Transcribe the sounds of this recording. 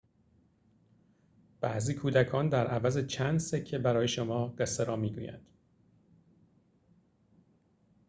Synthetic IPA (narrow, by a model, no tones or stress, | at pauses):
b̥æ̰ʔziːkʰuːd̪ækʰɒːnd̪æɾʔævæzet͡ʃʰæːnd̪secʰːebæɾɒːje̞ʃomɒːɢeseɾɒːmiːɡṵːjæ̰nd̪̥